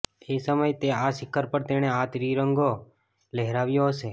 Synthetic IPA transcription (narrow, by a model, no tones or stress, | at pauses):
esəməjt̪eaʃɪkʰːəɾpəɾt̪eñeat̪ɾiɾəŋɡo | leɦɾaʋjoɦəse